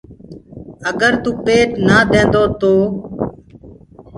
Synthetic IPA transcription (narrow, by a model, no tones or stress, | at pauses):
əɡəɾt̪uːpeːʈnaːd̪ẽːnd̪oːt̪oː